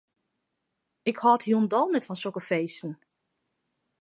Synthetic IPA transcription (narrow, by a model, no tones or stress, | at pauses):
ɪkhɔːthindɔlˠnɛtfɔnsokəfeːstn̩